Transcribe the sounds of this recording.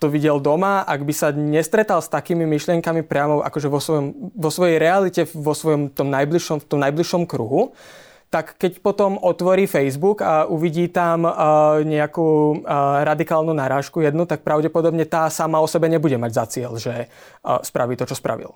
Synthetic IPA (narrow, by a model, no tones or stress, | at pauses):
t̪ɔʋiɟɛld̪ɔmaaɡbisaɲɛst̪ɾɛt̪alst̪akiːmimiʃlɪɛŋkamipɾɪamɔʔa̰kɔʒɛʋɔsʋɔjɔmʋɔsʋɔjɛjɾɛalicɛfʋɔsʋɔjɔmt̪ɔmnajbliʃɔmft̪ɔmnajbliʃɔmkɾuɦu | t̪akːɛcpɔt̪ɔmʔɔt̪ʋɔɾiːfɛjzbukauʋiɟiːt̪amːɲɛakuːɾad̪ikaːlnunaɾaːʃkujɛd̪nut̪ak̚pɾaʊɟɛpɔd̪ɔbɲɛt̪aːsamaɔsɛbɛɲɛbuɟɛmaɟzat͡sɪɛlʒɛ | spɾʔaʋiːt̪ɔt͡ʃɔspɾa̰ʋḭl